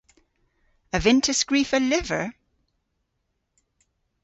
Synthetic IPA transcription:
əvɪ̃ntʰəsɡ̥ɹiˑfəlɪvə̰˞

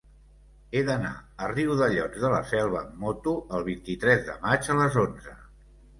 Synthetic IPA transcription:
eðəna̰əriwðəʎɔd͡zzðələ̰sɛlˠβə̰mɔt̪uʔəlˠβ̞int̪it̪ɾɛzðə̰mad͡ʒələzonzə

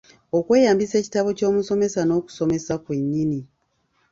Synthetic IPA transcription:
o̞kwe̞ːjaːmbise̞ːci̥taβo̞co̞ːmuso̞me̞sano̞ːku̥so̞me̞sakwe̞ɲːini

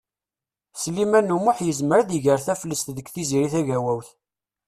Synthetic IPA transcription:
slimænːumʊħjəzməɾðiʝəɾθæfəlːəst̪ðəkθiziɾiθæʝæwæwθ

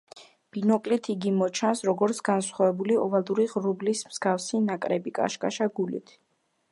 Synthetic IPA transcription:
b̥inɔkʼlit̪ʰiɡimɔt͡ʃʰansɾɔɡɔɾt̪sʰɡansχwavɛbuliɔvald̪uɾiʁɾublismz̥ɡafsinakʼɾɛbikʼa̰ʃkʼa̰ʃaɡulḭt̪ʰ

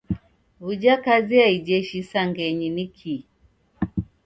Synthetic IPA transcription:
vud͡ʒakaziaid͡ʒɛʃisaŋɡɛɲinikʰi

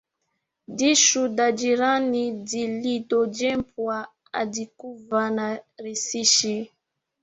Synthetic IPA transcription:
diʃudad͡ʒiɾanidilidɔd͡ʒɛmpwa | a̰dikuvanaɾisiʃi

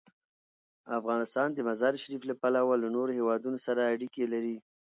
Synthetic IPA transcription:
afɣɑnɪst̪ɑnd̪əmazɑɾʃaɾiflapalawalanoɾohewɑd̪unosaɾaːɽikelaɾi

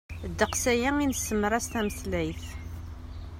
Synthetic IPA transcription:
d̪ːəqsæjæinəsːəmːəɾˤæst̪æməθəlʕiθ

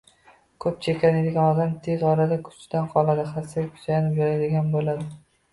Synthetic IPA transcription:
kʰɵp̚t͡ʃʰekʲʰanɪd̪ɪɡʲanɒd̪amt̪ʰe̞zɒɾad̪akʰʊ̥t͡ʃd̪anqʰɒlˠad̪ɪχasakʰʊ̥t͡ʃ̪ajanɪpjoɾad̪ɪɡʲanbolad̪ɪ

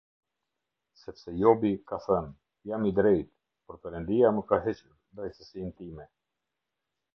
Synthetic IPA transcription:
sɛpsɛjɔbikaθɛn | jamid̪ɾɛjt̪ | pɔɾpɛɾənd̪iaməkaɦɛt͡ʃuɾd̪ɾɛjt̪əsint̪imɛ

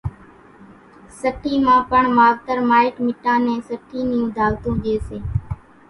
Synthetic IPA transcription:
səʈʰːiːmãːpəɳmaːɡt̪əɾmaːɪkmɪʈːãːnẽːsəʈʰːiːnɪjũːd̪ʱaːɡt̪õːʄeːseː

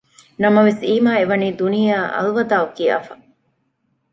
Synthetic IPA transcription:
nɐmɐʋesiːmaːeʋɐniːd̪unijaːʔɐ̰lʋɐd̪aːukiːɐ̰fɐ

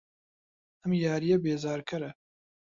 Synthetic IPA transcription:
ɛmjaːɾijɛbeːzaːɾkʰɛɾɛ

